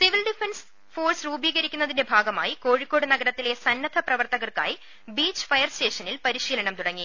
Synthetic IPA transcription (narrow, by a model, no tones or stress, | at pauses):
siʋilɖifens | fo̞ːrsruːbiːɣɐɾikʲːunːɐðinde̞bʱaːɡɐmaːjiko̞ːɻikʲːo̞ːɽɨnɐɡɐɾɐt̪ːile̞sɐnːɐd̪ʱɐprɐʋɐrt̪ɐɣɐrka̰ːji | biːt͡ɕːfɐjɐrste̞ːʂɐnilpɐɾiɕiːlɐɳɐmt̪uɽɐŋːi